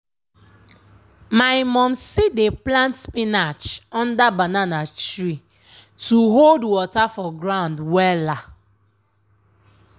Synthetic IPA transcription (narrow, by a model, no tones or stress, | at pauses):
maɪmɔm̩sideplãntspinat͡ʃɔ̃n̩dabananat͡ʃɾi | tuɦoldwɔtafɔɡɾaʊ̃ndwɛla